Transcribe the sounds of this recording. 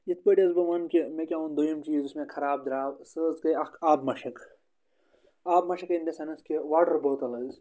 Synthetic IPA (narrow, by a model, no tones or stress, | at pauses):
jit̪̚ʰpəːʈiɐzbɐʋɐnkemẽkʲaũnd̪ujɐmt͡ʃiːzusmẽkʰɐɾaːb̚d̪ɾaːʋsɨːzkɐɐkʰaːbmɐʃɐk | aːbmɐʃɐkend̪esɐnɐskeʋaːʈɐɾboːt̪ɐlɐz